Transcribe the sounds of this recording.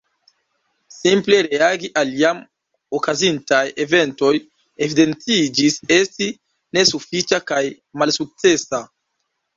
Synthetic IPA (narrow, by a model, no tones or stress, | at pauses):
simple̞ɾe̞aɡiʔaliam | okazintaje̞ve̞nto̞j | e̞vide̞nt͡sid͡ʒise̞sti | ne̞sufit͡ʃakaj | malsuk̚t͡se̞sa